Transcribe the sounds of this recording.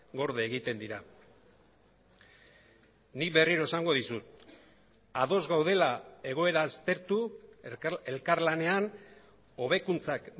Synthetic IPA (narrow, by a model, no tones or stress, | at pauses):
ɡo̞ɾðeːɣ̞it̪e̞nd̪iɾa | nikbe̞riɾoe̞saŋɡo̞ð̞isut̪ | aðo̞zɣawð̞e̞lae̞ɣ̞o̞e̞ɾaːst̪e̞ɾt̪u | e̞lkaɾlane̞an | o̞β̞e̞kunt͡sak